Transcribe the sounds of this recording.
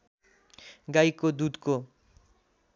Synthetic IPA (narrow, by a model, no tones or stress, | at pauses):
ɡajkod̪ud̪ko